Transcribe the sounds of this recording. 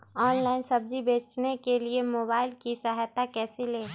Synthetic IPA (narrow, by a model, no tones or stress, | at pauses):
ɔːnlaːɪnsɐb̚d͡ʒibeːt͡ʃnekeliemoːbaːɪlkisaɦjt̪akɛːsileː